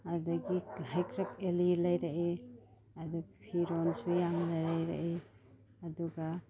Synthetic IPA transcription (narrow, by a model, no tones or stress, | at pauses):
adɐɡihajkʰɾɐk̚elilajɾaʔe | ɐduɡipʰiɾonsujamlajɾajɾa̰ʔe | ɐduɡa